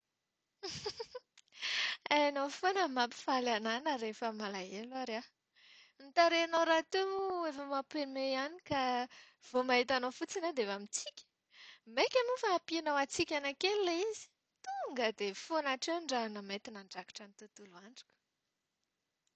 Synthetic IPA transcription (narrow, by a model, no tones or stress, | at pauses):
ajanofonəmapi̥falananəɾefəmalaelaɾa | mit̪aɾeanowɾat̪umuefəmapemeanika | v̥omaɦit̪anofut͡sinad̪eevamit͡sikʲə̥ | mekʲamufaːpianawat͡sikʲanakelilaizi̥ | t̪uŋɡəd̪efonaʈ͡ʂeɳɖ͡ʐanəmet̪inaɳɖ͡ʐakḁʈ͡ʂanit̪ut̪uluaɳɖ͡ʐḁkə̥